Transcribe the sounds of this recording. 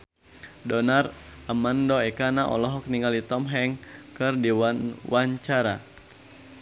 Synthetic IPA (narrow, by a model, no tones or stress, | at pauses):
dɔnaramandɔɛkanaʔɔ̰lɔɦɔk̚niŋɡalit̪ɔmɦɛŋkɨrdiwanwaɲt͡ʃaɾa̰